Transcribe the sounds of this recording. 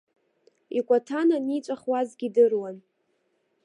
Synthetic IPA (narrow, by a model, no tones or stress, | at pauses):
ikʷʼatʰananit͡ʃʷʼaχwazɡʲidɨrwan